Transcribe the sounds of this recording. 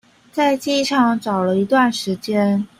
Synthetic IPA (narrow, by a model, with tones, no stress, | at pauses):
t͡sa˥˧ɪt͡ɕi˥˧ʂɑ˥˩ŋʈ͡ʂɑ˨˩ʊlə˦i˧˥t̪wa˥˩nʂɻ̩˧˥t͡ɕjɛ˥n